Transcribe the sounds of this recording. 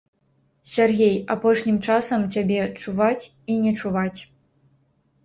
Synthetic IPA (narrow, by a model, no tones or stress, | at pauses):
sʲarɣʲejapɔʂnʲimt͡ʂasɐmt͡sʲabʲɛt͡ʂuvat͡sʲ | inʲɛt͡ʂuvat͡sʲ